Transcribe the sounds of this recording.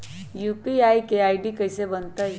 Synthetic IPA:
juːpiaːikeaːiɖikɐɪsebɐnt̪aɛ

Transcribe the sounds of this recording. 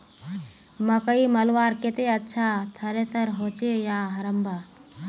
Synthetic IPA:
məkəimɐlʋaːɾket̪eɐtːʃʰat̪ʰɐɾesəɾɦot͡ʃejaɦɐɾəmbʱa

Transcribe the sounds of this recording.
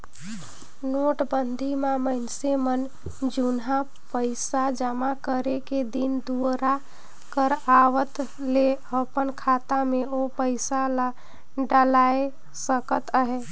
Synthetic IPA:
noʈbənd̪ʱimaməɪnsemən | d͡ʒunɦa | pəɪsad͡ʒəmakəɾeked̪ind̪uɾa | kəɾaʋət̪ | le | əpənkʰat̪ameopəɪsala | ɖəlae | səkət̪əɦe

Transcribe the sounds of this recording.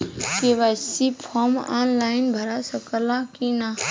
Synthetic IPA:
keʋasipʰɔma̰ːnlaɪnbʱəɾasəkəlãkina

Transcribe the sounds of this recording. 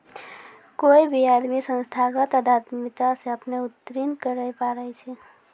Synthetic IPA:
koibʱiad̪misə̃nst̪ʰaɡət̪əd̪ʱaɾt̪mit̪aseəpneut̪ːɾinkəɾəjpaɾəjt͡ʃʰɛ

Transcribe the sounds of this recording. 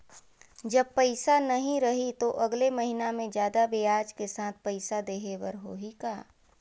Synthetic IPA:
d͡ʒɐb̚pəɪsanɐɦĩɾɐɦit̪oʔɐɡlemɐɦinamẽd͡ʒjaːd̪abejaːd͡ʒkesaːt̪̚ʰpəɪsad̪eːɦewəɾɦoːɦikaː

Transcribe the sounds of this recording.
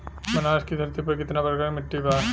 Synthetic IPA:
mɐnaːʃkid̪ʱɐɾt̪ipɐɾkɪt̪napɐɾɐkaːɾmɪʈːibaː

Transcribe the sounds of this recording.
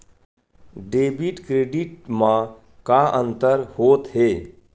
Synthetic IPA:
ɖeːbiʈkɾeːɖɪʈmã | kaʔə̃nt̪əɾhoːt̪ɦeː

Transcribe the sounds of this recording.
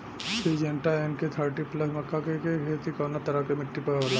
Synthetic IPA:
sʰid͡ʒɐɳʈaɛnket̪ʰəɾʈiplɐsmɐkːakekekʰeːt̪ikɔːnat̪ɐɾakemɪʈːipɐɾəla

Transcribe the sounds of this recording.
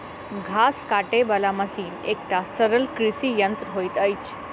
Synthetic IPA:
ɡʱaskaʈebəlamasiːnek̚ʈasəɾəlkɾisijənt̪ɾɦojt̪əjt͡ɕ

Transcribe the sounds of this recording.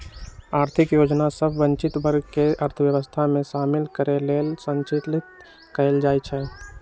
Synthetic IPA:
aːɾt̪ʰɪkjoːd͡ʒnasəbʱːə̃nt͡ʃɪt̪bəɾɡʱkeəɾt̪ʰəwjəʋəst̪ʰamẽʃaːmɪlkəɾeleːlsə̃nt͡ʃit̪lɪt̪ | kəld͡ʒaːjt͡ʃʰɛ

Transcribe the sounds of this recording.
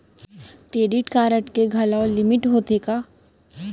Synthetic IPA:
kɾeːɖɪʈkaːɾəʈkeɡʱɐlaolɪmɪʈɦoːt̪ekaː

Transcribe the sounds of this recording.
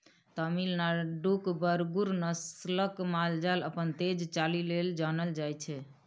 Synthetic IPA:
t̪əmilnaɖukbəɾɡuɾnəsləkmald͡ʒaləpənt̪ed͡ʒt͡ʃalileld͡ʒanəld͡ʒajt͡ʃʰɛ

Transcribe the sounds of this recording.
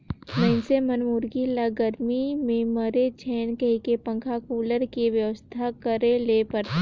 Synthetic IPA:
mɛɪnsemɐnmuɾɡilaɡəɾmimẽməɾet͡ʃʰɛːnkəɦikepɐ̃ŋkʰakuːləɾkiʋjəʋəst̪ʰakəɾeleːpɐɾ

